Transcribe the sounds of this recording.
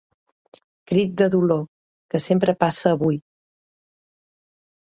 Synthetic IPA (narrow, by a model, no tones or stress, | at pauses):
kɾit̪̚d̪əðulo | kəsempɾəpasəːβuj